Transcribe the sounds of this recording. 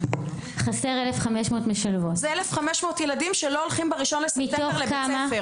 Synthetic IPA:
χase̞ʁelefχameʃmo̞ːtmeʃalvotzeelefχameʃmoːt̪jeladimʃeloolχimbeʁiʃo̞nlesmit̪eolebkamae

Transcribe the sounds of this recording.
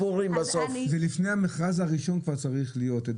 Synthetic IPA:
puʁimbasofvelifnejhameχʁazhaʁiʃo̞nkvaʁt͡saʁiχlijo̞ted

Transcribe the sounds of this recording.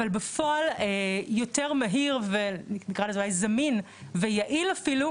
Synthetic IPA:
valbefoalejo̞teʁmaɦiʁveninikʁalezolajzɐmin | vejaʔilafilu

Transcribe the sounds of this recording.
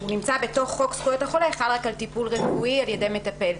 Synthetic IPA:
hunimt͡sabe̞to̞χːo̞kskujothaχo̞leeχalʁakalt̪ipulʁefuialje̞de̞me̞tape̞l

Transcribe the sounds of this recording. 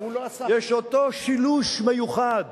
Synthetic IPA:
jeʃot̪o̞ʃiluʃmejuχad̪

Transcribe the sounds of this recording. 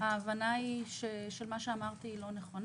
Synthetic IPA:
aːvanaiʃeʃelmaʃeamaʁt̪iːlo̞neχo̞n

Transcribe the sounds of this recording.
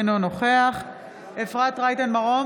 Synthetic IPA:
nonoχe̞aχ | efʁat̪ʁajt̪anmaʁo

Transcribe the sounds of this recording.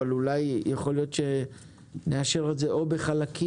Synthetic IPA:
alulajjaχo̞ljo̞tʃe̞ | neaʃeʁezeʔo̞be̞χalakʰi

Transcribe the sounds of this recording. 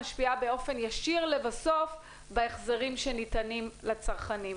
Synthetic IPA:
ʃpiabe̞o̞fe̞njaʃiʁlevaso̞f | baeχzeʁimʃe̞nitanimlat͡saʁχanim

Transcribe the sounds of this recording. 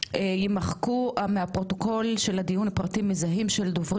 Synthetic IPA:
jimaχkuameapʁo̞t̪o̞ko̞lʃe̞lad̪ijunapʁatimizaɦimʃeld̪ovʁ

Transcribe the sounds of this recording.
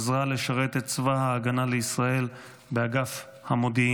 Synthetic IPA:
zʁale̞ʃaʁe̞t̪et̪t͡svahaːɡanaleisʁae̞l | beaɡaf | hamod̪i

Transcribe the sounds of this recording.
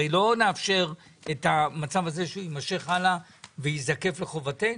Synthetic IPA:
ejlo̞neafʃe̞ʁ | etamat͡savaze̞ʃeuimaʃe̞χala | veizake̞fle̞χo̞vate

